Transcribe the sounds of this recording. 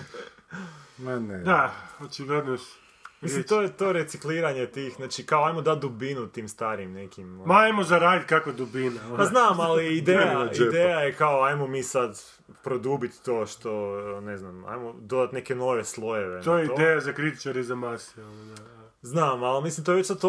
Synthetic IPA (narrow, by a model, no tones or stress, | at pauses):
maned̪aot͡ʃiɡled̪no | misimt̪ojet̪oɾet̪sikliːɾaɲet̪iːxznaːt͡ʃikaoajmod̪at̪̚d̪ubinut̪iːmst̪aːɾimnekimmaajmozaɾaːd̪it̪̚kakod̪ubinaopaznaːmmaliid̪ejaid̪ejajekaoajmomiːsad̪ | pɾod̪uːbit̪ːoːʃt̪one̞znama̰jmod̪o̞d̪at̪neke̞no̞ʋeslˠo̞jeʋet̪ojeiod̪ejazakɾit̪i̥t͡ʃaɾezamasild̪a | znaːmalmislimt̪oeʋet͡ʃsat̪o